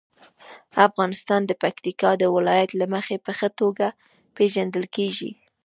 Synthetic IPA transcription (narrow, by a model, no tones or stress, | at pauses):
afɣɑnɪst̪ɑnd̪əpakt̪ikɑd̪əwɪlɑjat̪laməxepəxət̪oɡa | peʒand̪əlkeʒḭ